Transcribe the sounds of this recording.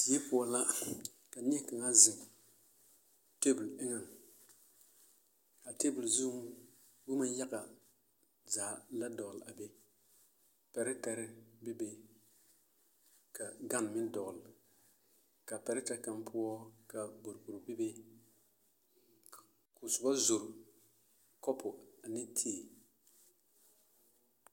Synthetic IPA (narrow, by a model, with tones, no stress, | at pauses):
di˨˦e˦pʊ˨ɔ˨la˦ | ka˨ɲɛ˦ka˨ŋa˦zɪ˨ŋ | te˦bu˨lɪ˦ŋa˨ŋ | ka˨te˦bu˨lzu˦m˦ | bʊ˦ma˦n˦ja˦ka˨ | zaː˨˦la˦dɔ˨ɣla˨be˦ | pɛ˨ɾɪ˦ta˨ɾɪ˦bɪ˦be˦ | ka˨ɡa˦n˨mɪ˦n˦dɔ˨ɣl | ka˨pɛ˨ɾɪ˦ta˨ka˦mpʰʊ˦ɔ˦ka˨bo˨ɾbo˨ɾbɪ˦be˦ | kʊ˨sʊ˨ba˦zʊ˨ɾʊ˨ | kɔ˦pʰʊ˨a˨nɪ˦tʰeː˦e˨